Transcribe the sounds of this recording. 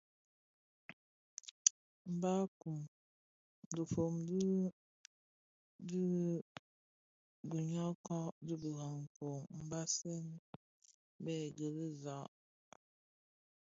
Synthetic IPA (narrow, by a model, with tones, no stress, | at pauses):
m̩˨ba˦ku˨m | də˨fo˨mdi˦ | di˦ | ɡu˨ɲa˦kɔ˦ʔdi˦bə˨ɣa˨ŋ̩˨ko˨ŋm̩˨ba˦sɛ˦n˦ | bɛ˦˨ɡə˨li˦za˨˦ʔ